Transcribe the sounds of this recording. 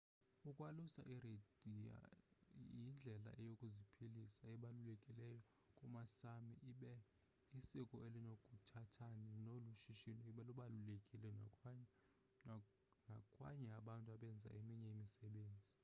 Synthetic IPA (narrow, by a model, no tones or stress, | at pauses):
ukʼwalusa̰ʔiredia̰ | jind͡ɮʱɛla̰ʔɛjokʼuzipʰilisaɛɓalulɛkʼilɛjɔ | kʼumasamiʔɓɛ | isikʼɔʔelinokʼutʰatʰaninoluʃiʃinɔiɓɛluɓalulɛkʼilɛ | ŋʱakʼwa̰ɲɛaɓantʼuaɓɛnd͡zʱa̰ʔemiɲɛimisɛɓeːnd͡zʱi